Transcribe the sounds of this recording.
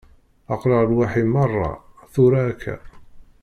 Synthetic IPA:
ɑqləʁˤlwaħimɑrˤːɑ̰θʊɾaːkʰːæ̰

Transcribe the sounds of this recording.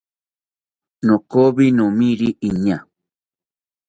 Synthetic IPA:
nõkoβinũmĩɾiʔiɲã

